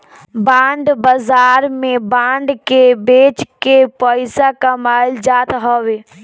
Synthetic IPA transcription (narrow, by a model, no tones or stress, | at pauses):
bãːɳɖbazaːɾmẽbãːɳɖkebeːt͡ʃkepɔɪsakamaːɪld͡ʒaːt̪ɦɔʋe